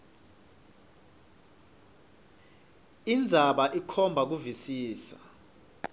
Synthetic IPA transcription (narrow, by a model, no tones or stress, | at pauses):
ind͡zʱaɓaʔikʰɔmbʱak̬uvisiːsa